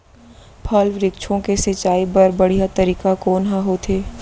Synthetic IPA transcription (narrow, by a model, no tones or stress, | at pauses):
pʰaːlʋɾɪkt͡ʃʰõkesɐt͡ʃaːibɐɾbɐɽ̤ijat̪ɐɾiːkakoːnɦaɦot̪ʰeː